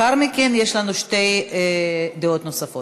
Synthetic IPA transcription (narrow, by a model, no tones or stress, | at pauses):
aɾmikenjeʃlanuʃt̪ej | d̪eot̪nosafo